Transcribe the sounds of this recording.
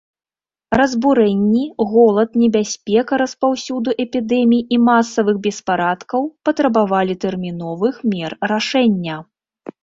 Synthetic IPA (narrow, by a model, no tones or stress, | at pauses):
rɐzbuɾɛnʲːiɣɔlˠɐt̪nʲɛbʲasʲpʲɛkɐɾɐspawsʲud̪uʔɛpʲid̪ɛmʲijimasːɐvɨxbʲɛspaɾat̪kɐwpɐt̪ɾɐbavalʲit̪ɛrmʲinɔvɨxmʲɛrːaʂɛnʲːɐ